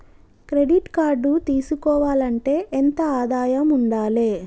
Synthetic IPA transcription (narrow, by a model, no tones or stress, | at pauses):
kɾe̞ɖiʈkaːɾɖut̪iːsukɔːʋaːlɐɳʈe̞ːʔent̪ɐaːd̪aːjɐmuɳɖaːleː